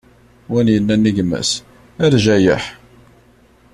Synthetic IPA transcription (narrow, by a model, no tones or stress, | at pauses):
wænjənːænːiʝmæ̰s | æɾʒæjə̰ħ